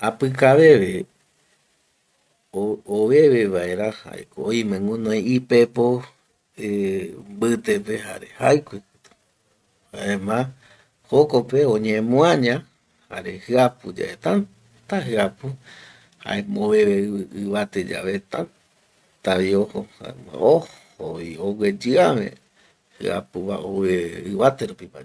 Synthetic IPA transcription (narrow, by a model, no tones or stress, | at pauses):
apɨkaʋe̞ʋe | ooʋe̞ʋeʋae̞ɾaha̰ḛkoojmẽŋũnõj̃ipepo | embɨt̪epeɦa̰ɾehajkʷikɨt̪u̥ | haemã | hokopeõɲẽmũãɲã | ha̰ɾehɨapud͡ʒa̰ʔet̪an | t̪aɦɨapu | ha̰ẽmõβeβeɨβat̪ed͡ʒa̰βet̪ãn | t̪aβiohoa̰ohoiowed͡ʒɨamḛ̃ | hɨ̰a̰puβa̰ʔoβeɨβat̪eɾupima̰